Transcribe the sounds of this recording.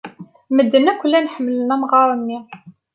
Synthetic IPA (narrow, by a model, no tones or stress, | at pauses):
məd̪ːənækʷəlːænħəmːələnːæmʁɑɾˤənːi